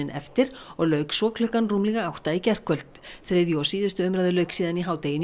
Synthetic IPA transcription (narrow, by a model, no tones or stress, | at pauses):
ɪnʔɛ̰ft̪ɪɾɔɣlœːɥksɔːkl̥ʏhkanruːmliɣaawht̪aicɛr̥kvœlt̪θɾeðjɔsiːðʏst̪ʏʏmɾaðɪlœɥksiːðaniɦaːwt̪ejɪn